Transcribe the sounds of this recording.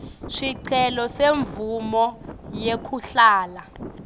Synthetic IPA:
ʂiǀʰɛlɔseɱvumɔjekʰuɬaːla

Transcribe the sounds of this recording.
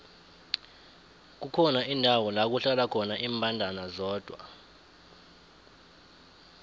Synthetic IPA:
k̬ukʰɔnaindʱawɔlak̬uɬalakʰɔnaʔiːmbʱandʱanazɔːd̥ʱwa̰

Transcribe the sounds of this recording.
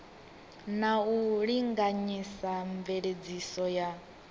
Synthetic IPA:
nauɺiŋɡaɲisaɱveɺed͡zisɔja

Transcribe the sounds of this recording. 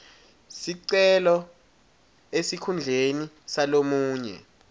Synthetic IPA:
siǀɛlɔ | esikʰund͡ɮʱeni | salomuːɲɛ̰

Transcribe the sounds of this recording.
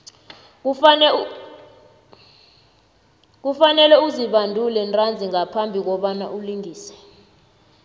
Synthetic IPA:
k̬ | k̬ufanɛlɛuziɓandʱulɛntʼand͡zʱiŋapʰambʱik̬ɔɓana̰ʔuliŋiːsɛ̥

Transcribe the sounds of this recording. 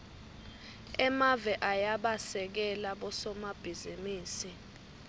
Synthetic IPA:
ɛmavɛʔajaɓasɛk̬ɛlaɓɔsɔmab̥ʱizimiːsi

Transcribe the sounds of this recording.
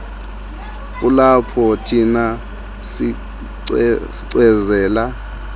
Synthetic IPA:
k̬ulapʰɔtʰina | si | siǀwɛzɛːla

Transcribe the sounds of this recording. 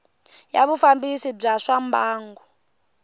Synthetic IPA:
ja̰βufambisib͡ʐaʂambaːŋɡɔ

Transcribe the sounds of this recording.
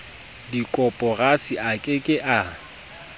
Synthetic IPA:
dikʼɔpʼɔrasiʔakʼɪkʼɪʔa

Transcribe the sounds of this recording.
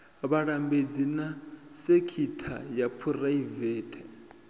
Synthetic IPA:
βaɺambed͡zinasekʰitʰa̰japʰuraivɛːtʰɛ

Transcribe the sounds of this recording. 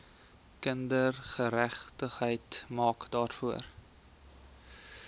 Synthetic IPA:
kəndərχəɾæχtəχɦəjtmɑːkdɑːrfuər

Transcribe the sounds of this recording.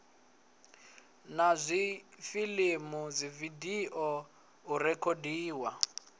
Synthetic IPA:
nazʷifilimuzividiʔɔ | urɛkʰodiːwa

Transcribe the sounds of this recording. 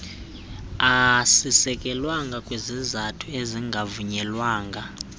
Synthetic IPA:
asisɛkʼɛlwaŋɡʱakʼwezizatʰueziŋɡʱavuɲɛlwaːŋɡʱa

